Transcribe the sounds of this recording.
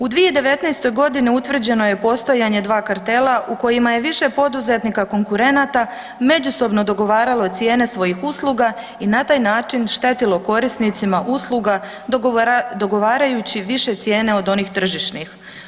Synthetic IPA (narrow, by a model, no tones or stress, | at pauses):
ud̪ʋied̪e̞ʋe̞t̪najst̪o̞jɡo̞d̪iniut̪ʋr̩d͡ʑe̞no̞je̞po̞st̪o̞jaɲe̞d̪ʋaːkaɾt̪e̞laʔuko̞jimaje̞ʋiʃe̞po̞d̪uze̞t̪nikako̞ŋkuɾe̞nat̪a | me̞d͡ʑuso̞bno̞d̪o̞ɡo̞ʋaːɾalo̞t̪sje̞ːne̞sʋo̞jixuslˠuɡa | inat̪aːjnaːt͡ʃinʃt̪e̞t̪ilo̞ko̞ɾisnit̪simaʔuslˠuɡa | d̪o̞ɡo̞ʋaːɾajut͡ɕiʋiʃe̞t̪sje̞ːne̞o̞d̪o̞niːxt̪r̩ʒiʃnix